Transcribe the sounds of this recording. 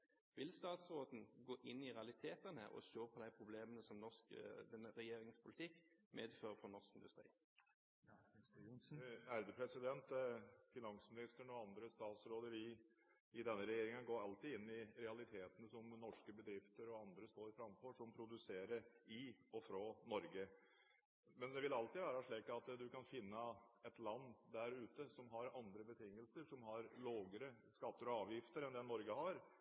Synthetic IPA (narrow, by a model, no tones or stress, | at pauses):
ʋɪlst̪ɑːt̪sɾoːd̪n̩ɡoːʔɪnːɪɾɛɑlɪt̪ʰeːt̪ənhæ̰ːʁɔ̰ɕøːpʰɔd̪æɪpʰɾʊbleːmənəsɔmnɔʁskd̪ɛnːəʁɛjeːɾɪŋspʰʊlɪt̪ʰɪkːmʔeːd̪føːʁəfʁɔnɔʁskɪnd̪ʉst̪ʁḭː | æɾd̪əpʰɾɛsɪd̪ɛnt̪fɪnɑŋsmɪnɪst̪əɳɔɑnd̪ɾəst̪ɑːt̪sɾoːd̪əɾɪ | ɪd̪ɛnːəɾɛjeːɾɪŋənɡoːɾɑlt̪iːɪnːɪɾɛɑlɪt̪ʰeːt̪ənəsɔmnɔʂkəbəd̪ɾɪft̪əɾɔɑnd̪ɾəst̪oːɾfɾɑmfɔʂɔmpʰɾʊd̪ʉseːɾəɾɪɔfɾɑːnɔɾɡə | mɛnd̪ɛʋɪlɑlt̪iʋæːɾɑʂɭiːkɑt̪d̪ʉkɑnfɪnːəɛt̪lɑnːd̪æɾʉːt̪əsɔmɦɑɾɑnd̪ɾəbət̪ʰɪŋːəlsəʂɔmɦɑɾloːɡəɾəskɑt̪ːəɾɔɑːʋjɪft̪əɾɛnd̪ɛnːɔɾɡəhɑɾ